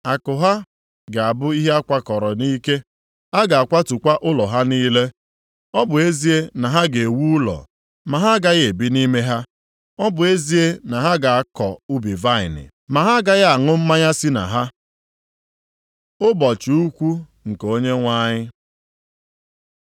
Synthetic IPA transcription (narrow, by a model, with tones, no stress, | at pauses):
a˨kʊ˨ɦa˦ | ɡa˨a˨bʊ˦i˦ɦe˦a˦kʷa˦kɔ˨ɾɔ˨ni˦ke˦ | a˦ɡa˨a˨kʷa˦tu˨kʷa˦ʔʊ˦lɔ˨ɦa˦niː˦le˦ | ɔ˦bʊ˨e˦zi˦e˦na˨ɦa˦ɡe˨e˨wu˦ʊ˦lɔ̰˨ | ma˨ɦa˦ɡa˦ɣe˨bi˦ni˦me˦ɦa˦ | ɔ˦bʊ˨e˦zi˦e˦na˨ɦa˦ɡa˨a˦kɔ˨ʊ˦bi˨va˦ɪ̰˨nɪ̰˨ | ma˨ɦa˦ɡa˦ɣa˨ŋʊ˦m̩˦ma˦ɲa˦si˦na̰˨ɦa˦ | ʊ˦bɔ˨t͡ʃi˨u˦kʷu˦ | ŋ̩˨ko˦ɲe˦ŋʷa˦ɲɪ˦